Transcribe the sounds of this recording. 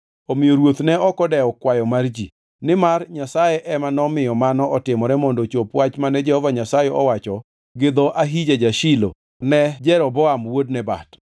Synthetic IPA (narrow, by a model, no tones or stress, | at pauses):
ɔmɪjoɾwot̪nɛɔkɔdɛɔkwajɔmard͡ʒi | nɪmarɲasajɛʔɛmanɔmɪjɔmanɔʔɔtɪmɔɾɛmɔndɔt͡ʃopwat͡ʃmanɛd͡ʒɛhɔvaɲasajɛɔ̰wat͡ʃɔ | ɡɪd̪ɔʔaɦid͡ʒad͡ʒaʃilo̰ | nɛd͡ʒɛɾɔbɔamwod̚nɛba̰t